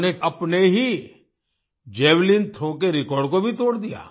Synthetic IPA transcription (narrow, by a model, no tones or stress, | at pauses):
neɐpneɦi | d͡ʒɛːwlint̪ʰõːk̬eɾɪkɔːɾɖkobʱit̪oːɽd̪ija̰ː